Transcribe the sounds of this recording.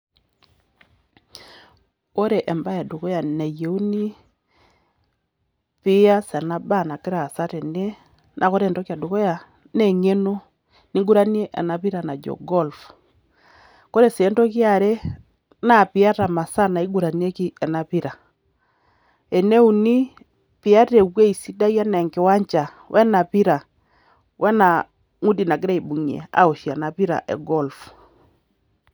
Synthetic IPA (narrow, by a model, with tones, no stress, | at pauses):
ko˦ɾɛ˨ʔɛ˨mba˦ja˨do˨kɔ˦ja˨nɛ˨je˨u˦ni˦ | pi˦a˦sɛ˨na˦ba˦˨na˨ke˦ɾaː˨sa˦tɛ˨nɛ˦ | nʔa˨ko˦ɾɛ˨ntɔ˦kja˨do˨kɔ˦ja˨ | nɛ˦˨ŋe˦no˦ | ni˦ŋɡu˦ɾa˦ni˦ɛ˦ʔɛ̰˨na˨βi˦ɾa˨na˨d͡ʒɔ̰˨ɡɔ˦lf | ko˦ɾe˨sɛ˨˦ntɔ˦kja˨ɾe˦ | na˦˨pi˨˦a˦ɾa˨ma˨sa˦na˨i˦ɡu˨ɾa˨ni˦e˦ki˦ɛ˨na˨pi˦ɾa˨ | ɛ˨ne˦u˨ni˦ | pi˨a˦ɾe˨kwe˦i˨si˦da˦i˦a˦na˨ŋkɪ˨˦wa˦ɲt͡ʃa˨ | wʔɛ˦na˨pi˦ɾa˨ | wʔɛ˦na˨ | ŋu˦di˨na˨ɡɪ˦ɾa˦i˨bu˨ɲḛ˨a̰˨o˨ʃi˨a˨na˨pi˦ɾa̰˨ʔɛ̰˨ɡɔ˦˨lf